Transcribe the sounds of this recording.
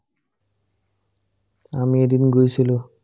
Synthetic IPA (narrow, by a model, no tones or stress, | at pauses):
amied̪inɡojt͡ɕʰilu